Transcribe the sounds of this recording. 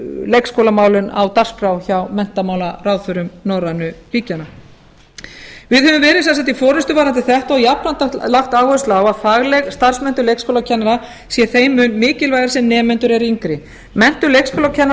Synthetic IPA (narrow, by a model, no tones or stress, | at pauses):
lejkskowlamaːwlʏna̰wt̪ar̥skɾawçawmɛn̥t̪amaːwlaraːwθʏɾʏmnɔɾanʏliːcana | vɪðhɛvʏmvɛːɾɪðsansajt̪ifɔːɾɛst̪ʏvaːɾant̪ɪθɛht̪awjapnant̪alaxt̪aːɣvɔʏst̪lawaðfaɣlɛɣst̪ar̥smɛnt̪ʏlejkskowlacʰɛnːaɾa | sjɛθeːjmʏnmɪːcɪlvajðaɾsɛmnɛːmɛnt̪ʏɾɛɾiŋkɾɪ | mɛn̥t̪ʏlejkskʰowlacʰɛnːa